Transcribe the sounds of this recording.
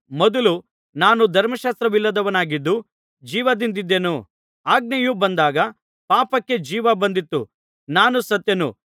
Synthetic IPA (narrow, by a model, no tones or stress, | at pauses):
mɔd̪ɐlu | naːnud̪ʱɐɾmɐʃaːst̪ɾɐʋilːɐd̪ɐʋɐnaːɡid̪ːu | d͡ʒiːʋɐd̪ind̪id̪ːe̞nu | aːɡ̚nɐjubɐnd̪aːɡɐ | paːpɐkːe̞d͡ʒiːʋɐbɐnd̪it̪ːṵ | naːnusɐt̪jɐnṵ